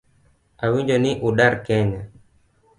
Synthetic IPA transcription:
awiɲd͡ʒɔniʔuɗaɾkɛɲa

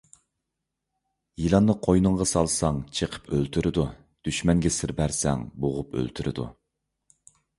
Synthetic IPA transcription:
jilˠɑnːɨqʰojnɨŋʁɑsɑlˠsɑŋt͡ʃʰeqʰə̥pʰølt̪ʰyɾʔɪd̪u | d̪̥yʃmɛŋɡʲɛsɪɾbæɾsɛ̰ŋboʁʊpʰø̰lt̪ʰyɾɪ̰d̪ṵ

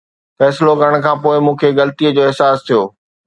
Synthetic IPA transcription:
fɛːslokəɾəɽ̃̆kʰãːpoːɪmũːkʰeɣɐlt̪iəd͡ʑoːɪɦsaːst̪ʰijoː

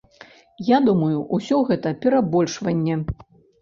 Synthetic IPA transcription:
jad̪umɐjuʔusʲɔɣɛt̪ɐpʲɛɾabɔlʲʂvɐnʲːɛ

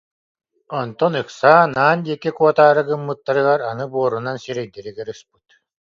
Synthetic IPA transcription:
ɔnt̪ɔnɯksaːnaːnd̪iɛkɛkuɔt̪aːɾɯɡɯmːɯt̪ːaɾɯɣaɾanɯbuɔɾunansiɾɛjd̪ɛɾiɡɛɾɯsp̚ɯt̪

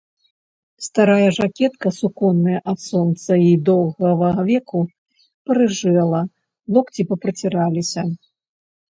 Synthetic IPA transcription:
st̪aɾajɐʐakʲɛt̪kɐsukɔnːɐjɐʔat̪sɔnt̪sɐid̪ɔwɣɐvɐɐvʲɛku | pɐɾɨʐɛlˠɐ | lˠɔkt͡sʲipɐpɾɐt͡sʲiɾalʲisʲɐ

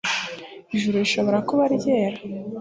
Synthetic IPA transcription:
iʒuɾuiʃo̞βo̞ɾakuβaɾɟe̞ːɾa

